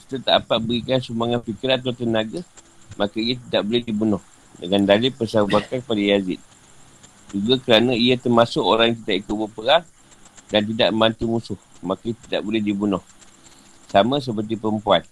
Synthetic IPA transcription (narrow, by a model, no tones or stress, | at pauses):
ki̥t̪at̪a̰pat̪̚bəɾikansumaŋanfikiɾat̪̬awt̪ənaɡa | makaiat̪̬idaʔbolɛhdibunɔh | dəŋandalɪpəsabakakəpadajazɪ̰t̪̚ | d͡ʒuɡakəɾanãiat̪ərmasʊkoɾaŋjaŋk̪̬it̪aʔikʊt̪̚bəpəɾaŋ | dant̪̬idaʔmə̃mbant̪umusʊhmakaiat̪ida̰ʔbolɛhdibunʊh | samə̃s̬əp̬ərt̪̬ipəɾəmpuan